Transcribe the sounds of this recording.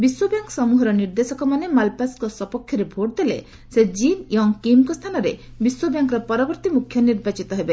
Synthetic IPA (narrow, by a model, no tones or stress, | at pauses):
biswobjaŋksɔmuɦɔɾɔniɾd̪esɔkɔmanemalpaskɔsɔpɔkʰjɔɾebʱoʈd̪ele | sed͡ʒineɦɔŋkimkɔst̪ʰanɔɾe | biswobjaŋkɔɾɔpɔɾɔbɔɾt̪imukʰjɔniɾbat͡ʃit̪ɔɦebe